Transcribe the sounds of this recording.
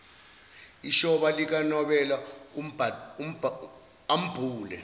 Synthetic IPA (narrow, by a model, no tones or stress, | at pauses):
iʃɔɓalik̬anɔɓɛla | am̩b̥ʱuːlɛ̰